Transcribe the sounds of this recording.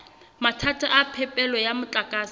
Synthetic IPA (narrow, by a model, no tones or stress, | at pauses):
matʰatʰʼaʔapʰɛpʼɛlɔjamʊt͡ɬʼakʼaːs